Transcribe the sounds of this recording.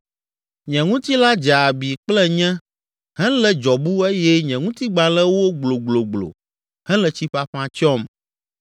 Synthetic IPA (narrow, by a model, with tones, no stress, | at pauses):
ɲɛ̃˨ŋũ˦t̪i˦la˦d͡ʒa˨bi˨k͡plɛ˦ɲɛ̃˦ | ɦɛ̃˦lɛ˨d͡ʒɔ˨bu˦e˦jɛ˦ɲɛ̃˨ŋũ˦t̪i˦ɡ͡ba˨lɛ˦wo˦ɡ͡blo˨ɡ͡blo˨ɡ͡blo̰˨ | hɛ̃˦lɛ˨t͡ɕi˦ɸa˦ɸã˨t͡ʃɔ˦m